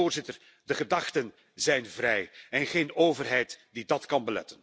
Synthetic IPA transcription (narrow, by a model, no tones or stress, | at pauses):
oːrzɪtər | dəχədɑχtən | zɛjnvrɛjɛnχeːnoːvərɦɛjtdidɑtkɑnbəlɛ̰tən